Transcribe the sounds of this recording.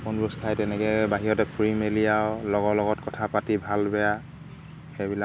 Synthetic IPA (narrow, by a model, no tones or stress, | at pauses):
kunɹuskʰajtɛnɛkɛbaɦijɔtɛpʰɹimeliawlɔɡɔlɔɡɔtkɔtʰapatibʱalbɛja | xebila